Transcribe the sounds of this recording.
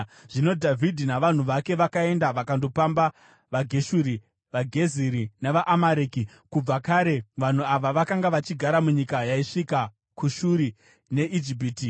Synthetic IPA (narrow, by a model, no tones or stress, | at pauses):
ʐ̥ino̞dʱavʱidʱinaʋan̤uʋake̞ʋakae̞ndaʋakando̞pamba | ʋaɡʱe̞ʃuɾi | ʋaɡʱe̞ziɾineʋaʔamaɾeki | kub͡vakaɾe̞ʋan̤uaʋaʋakaŋɡaʋat͡ʃiɡʱaɾamuɲikajaiʂika | kuʃuɾi | ne̞ʔid͡ʒip̬iːti